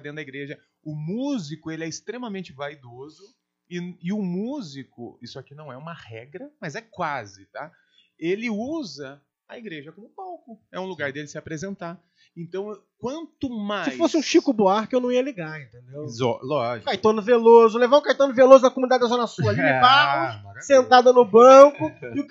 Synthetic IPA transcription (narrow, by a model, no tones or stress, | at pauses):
d̪ẽd̪ɐiɡɾeʒɐ | ʊmuzikʊelɪɛɪst̪ɾẽmɐmẽnt͡ʃɪvaid̪ozʊ | ɪɪʊmuzikʊ̰isʊakinɐ̃w̃ɛũmɐhɛɡɾɐmɐzɛkwazɪt̪a | elɪuzɐ | ɐiɡɾeʒɐkõmʊpawkʊɛũluɡaɾd̪elɪsɪapɾezẽnt̪a | ẽnt̪ɐ̃w̃ | kwɐ̃nt̪ʊmasɪjfosɪũʃikʊboaɾkɪewnɐ̃w̃iɐliɡaɾẽnt̪ẽnd̪ewzɔ̰lɔʒɪkajt̪ɐ̃nʊvelozʊlevaɾũkajt̪ɐ̃nʊvelozʊnɐkomunid̪ad͡ʒd̪azõnɐsuɐaliɪpaʊʃsẽnt̪ad̪ɐnʊbɐ̃kʊɪʊ